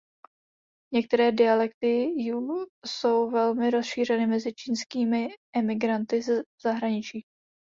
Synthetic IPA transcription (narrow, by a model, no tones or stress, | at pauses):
ɲɛk̚t̪ɛɾɛːdɪalɛk̚t̪ɪjuːso̞wvɛlmɪɾosʃiːr̝ɛnɪmɛzɪt͡ʃiːnskiːmɪʔɛmɪɡɾant̪ɪzz̥aɦɾaɲɪt͡ʃiː